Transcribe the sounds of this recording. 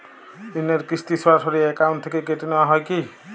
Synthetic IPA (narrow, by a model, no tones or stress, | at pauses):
ineɾkɾist̪iswatʰɔɾiekawnt̪ʰekekeʈinɔaɦɔjki